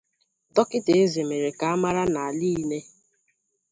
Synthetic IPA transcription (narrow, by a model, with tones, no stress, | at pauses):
dɔ˦kɪ˦te˨e˦ze˨me˨ɾe˨ka˨a˦ma˦ɾa˦na˨a˨li˦ne˦